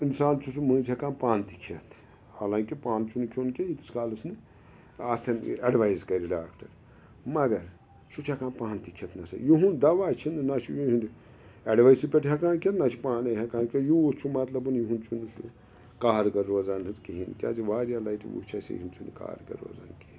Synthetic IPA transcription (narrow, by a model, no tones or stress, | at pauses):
insaːnt͡ʃʰusumɨ̃ːt͡ʃʰʲakaːnpaːnt̪ikʰɐt̪ʰ | haːlãːŋkipaːnt͡ʃʰunkʰʲoːnkʲeit̪i̥skaːlɐsnɨ | at̪ʰɐneɖʋaːizkɐɾiɖaːkʈɐɾ | mɐɡɐɾ | sut͡ʃʰakaːnpãːnt̪ikʰet̪nɐsɐ̰juɦund̪ɐʋaːt͡ʃʰinɨnat͡ʃʰujuɦind̪ | ɐɖʋaisipʲeʈʰɦakaːnkʰet̪nat͡ʃʰipaːnɐɦɐkaːnkʲejuut͡ʃʰumɐt̪lɐbɨnjuɦunt͡ʃʰunɨsṵ | kaːɾɡɐɾːoːzaːnɨt̪kiɦinkʲa̰ːziʋaːɾjalajʈiʋṵt͡ʃʰaːsḛjɦint͡ʃʰunḭka̰ːɾɡɐ̰ɾo̰ːza̰ːnki